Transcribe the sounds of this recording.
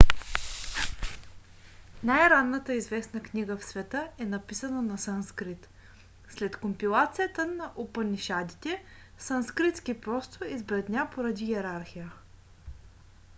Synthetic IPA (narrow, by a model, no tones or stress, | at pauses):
najɾanːət̪əizvɛsnəknʲiɡəfsvɛt̪əɛnɐpisənənɐsanskɾit̪ | slɛt̪kompilˠat̪sijət̪ənɐʔopəniʃad̪it̪ɛ | sanskɾit̪skipɾɔst̪oizbɾɛd̪nʲapoɾɐd̪ijɛɾaɾxijə